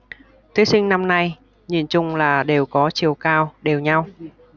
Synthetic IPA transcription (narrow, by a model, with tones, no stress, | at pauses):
t̪ʰwi˨˦sï˧ŋ̟na˧mna˧j | ɲḭ˧˩˨nt͡ɕʊ˧ŋ͡mlaː˨˩ɗe˨˩wkɔ˨˦t͡ɕḭ˨˩əwkaː˧wɗe˨˩wɲa˧w